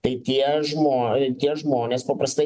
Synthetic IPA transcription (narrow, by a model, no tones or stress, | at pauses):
t̪ɐɪt̪ʲiɛʒmoːt̪ʲiɛʒmoːnʲeːspɐpɾɐst̪ɐɪ